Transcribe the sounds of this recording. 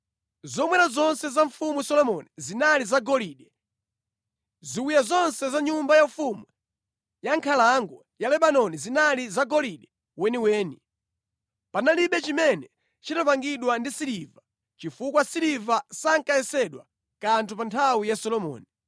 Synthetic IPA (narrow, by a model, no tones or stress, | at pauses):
zɔmwɛɾazɔnsɛzaɱfumusɔlɔmɔnizinalizaɡɔliːɗɛ | ziwujazɔnsɛzaɲumbajaɱfumu | jaŋkʰalaŋɡɔ | jalɛɓanɔnizinalizaɡɔliɗɛ | wɛniwɛːni | panaliɓɛt͡ʃimɛnɛ | t͡ʃitapaŋɡiɗwandisiɾiva | t͡ʃifukwasiɾivasaŋkajɛsɛɗwa | kantʰupantʰawijasɔlɔmɔ̰ːni